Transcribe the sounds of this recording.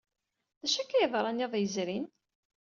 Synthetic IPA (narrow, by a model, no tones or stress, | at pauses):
ðæʃækːæjəðˤɾˤɑnjɑðˤjəzɾin